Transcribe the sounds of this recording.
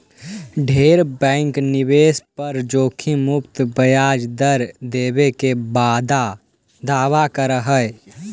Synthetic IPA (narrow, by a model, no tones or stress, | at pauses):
ɖʱeːɾbɛ̃ːŋknɪbeːspəɾd͡ʒoːkʰimʊpt̪bəjaːd͡ʒd̪əɾd̪eːbekebaːd̪a | d̪aːʋakəɾəɦəj